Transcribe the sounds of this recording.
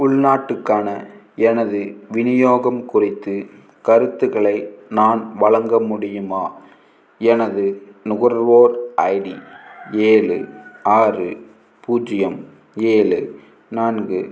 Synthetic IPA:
ʊɭnaːʈːɯkːaːnɐ | ɛnɐðɯʋɪnɪjoːɣɐmkʊrɪt̪ːɯ | kɐɾɯt̪ːɯɣɐɭɐɪnaːnʋɐɭɐŋɡɐmʊɽɪjɯmaː | ɛnɐðɯnʊɣɐɾɐɾʋoːɾʔɐɪɽieːlɯ̰aːrɯ | puːd͡ʒɪjɐm | eːlɯ | naːnɡɯ

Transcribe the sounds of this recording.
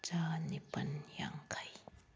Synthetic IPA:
t͡ʃaːnipɐnja̰ŋkʰaj

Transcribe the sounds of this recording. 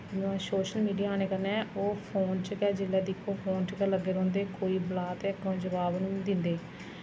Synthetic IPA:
ɪnõsoːʃəlmiːɖijaaːneːkəɾnɛːoːpʰoːnt͡ʃəkɛːd͡ʒɪlɛːd̪ɪkʰːoːpʰoːnt͡ʃəkɛːləɡːeːɾɔ̃ːnd̪eːkoːiːblaːt̪eːkõːd͡ʒəʋaːbnũːd̪ɪnd̪eː

